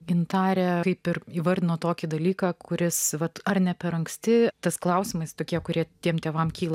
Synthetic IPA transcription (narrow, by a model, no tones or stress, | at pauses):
ɡʲɪnt̪ɑːɾʲɛkɐɪpɪɾiːʋɐɾʲd̪ʲɪnoːt̪oːkʲid̪ɐlʲiːkɑːkʰʊɾʲɪsʋɐt̪ɐrnʲɛpʲɛɾɐŋksʲt̪ʲɪt̪ɐsklˠɐʊsʲɪmɐɪst̪oːkʲiɛkʊɾʲiɛt̪ʲiɛmt̪ʲeːʋɐmkʲiːlˠɐ